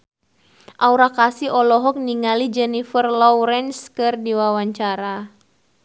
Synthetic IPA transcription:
ʔauɾakasiɔlɔɦɔk̚niŋalid͡ʒɛnifərlɔɾɛnskɨrdiwawaɲt͡ʃaɾa

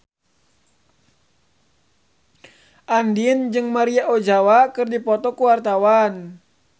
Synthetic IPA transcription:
ʔandind͡ʒɨŋmaɾiaʔod͡ʒawakɨrdipɔt̪ɔkuwart̪awan

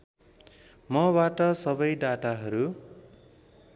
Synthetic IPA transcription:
mʌbaʈʌsʌbʌjɖaʈaɦʌɾu

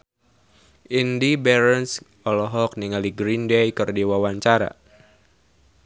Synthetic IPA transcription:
ʔindibɛɾɛns | ɔlɔɦɔk̚niŋaliɡɾindejkɨrdiwawaɲt͡ʃaɾa̰

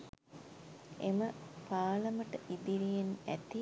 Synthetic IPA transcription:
eməpaːləməʈəʔid̪iɾijenæt̪i

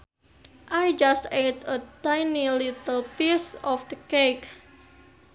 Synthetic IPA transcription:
ʔajd͡ʒast̪et̪ətajnilit̪əlpisɔfdəkek

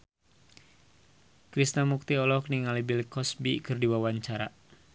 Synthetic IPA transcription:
kɾisnamuk̚t̪iɔlɔkniŋalibilkɔsbikɨrdiwawaɲt͡ʃaɾa

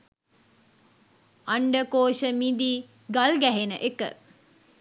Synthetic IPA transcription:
aɳɖəkoːʃəmid̪iː | ɡalɡæɦenəʔekə̰

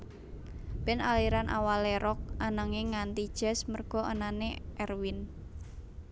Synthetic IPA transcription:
bɪnaliɾanʔa̰waleɾɔk̚ʔanaŋeŋːant̪id̥ʒ̥ɛ̤smərɡ̥ɔ̤ʔənaneʔɛrwin

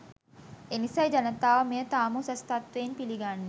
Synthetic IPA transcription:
enisajd͡ʒanət̪aːʋəmejət̪aːmusəst̪at̪ʋeːnpiliɡanːe

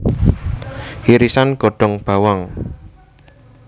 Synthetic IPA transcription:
iɾisanɡ̥ɔ̤ɖ̥ɔ̤ŋb̥a̤waŋ

